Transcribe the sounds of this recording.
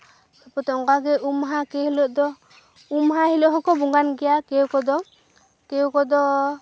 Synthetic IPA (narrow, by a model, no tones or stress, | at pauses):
ɔpɔt̪ɔɔŋɡaɡɛʔumɦakɛɦilɔʔd̪ɔ | umɦahilɔʔɦɔkɔbuŋɡanɡɛjakɛwkɔd̪ɔ | kɛwkɔd̪ɔ